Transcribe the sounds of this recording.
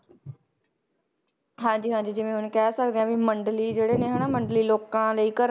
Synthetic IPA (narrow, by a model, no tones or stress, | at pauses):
ɦãːɲd͡ʒiːɦãːd͡ʒd͡ʒɪʋẽːɦʊnkɛːsək̚d̪eːãːʋiːməɳɖliːd͡ʒeːɽeːnẽːɦənaːməɳɖliːloːkãːləiːkəɾ